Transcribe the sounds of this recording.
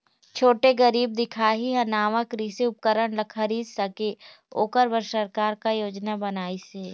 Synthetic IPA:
t͡ʃʰoːʈeɡəɾiːb̚d̪ɪkʰaːɦiɦɐnaːmakɾiːseʊp̚kəɾəɽ̃lɐkʰɐɾiːd̪sɐke | o̰ːkəɾbəɾsəɾkaːɾkajoːd͡ʒnabɐnaːiseː

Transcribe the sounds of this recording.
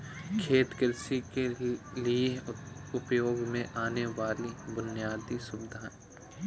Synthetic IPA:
kʰeːt̪kɪɾsikelieʊpjoːɡmẽʔaːneʋaːlibʊnjaːd̪isʊbɪd̪ʱaːn

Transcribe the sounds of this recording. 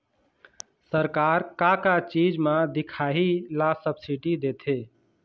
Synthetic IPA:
səɾkaɾkakat͡ʃid͡ʒmãd̪ikʰaɦilasəbsiʈid̪et̪ʰe

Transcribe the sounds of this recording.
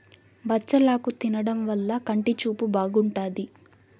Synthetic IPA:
bɐt͡ʃːɐlaːkut̪inɐɽɐmʋɐlːɐkɐɳʈit͡ʃuːpubaːɡuɳʈaːd̪i

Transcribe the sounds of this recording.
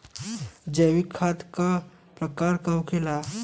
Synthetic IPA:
d͡ʒəːwikʰːaːt̪ka | pɾɐkaːɾkaɦʊkʰɪlaː

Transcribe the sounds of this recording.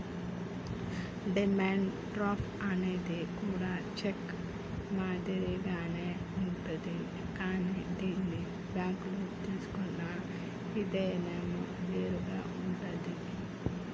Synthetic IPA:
ɖimaːɳɖ | ʈɾaːpʰ | ɐneːd̪ekuːɽaːt͡ʃek | maːd̪ɐɾiɡaːneː | uɳʈud̪i | kaːniːɖ̪elːi | bjaːklut̪iːsu̥kunːɐ | id̪eːnemːu | ʋeːɾuɡaːuɳʈud̪i

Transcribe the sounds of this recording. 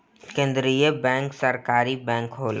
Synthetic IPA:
kẽːnd̪ɾijəbɛ̃ːŋksəɾkaːɾibɛ̃ːŋkɦoːl

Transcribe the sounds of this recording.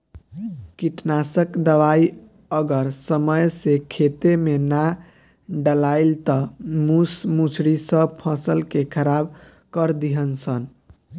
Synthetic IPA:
kiʈnasəkd̪əʋai | əɡəɾsəməjsekʰet̪emena | ɖəlaɪlt̪əmusmut͡ʃʰɾisəbpʰə̃səlkekʰəɾab | kəɾd̪iɦənsən

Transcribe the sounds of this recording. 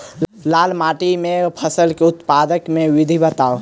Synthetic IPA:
lalmaʈimẽpʰəsəlkeʊt̪pad̪əkmẽwid̪ʱibət̪aːo

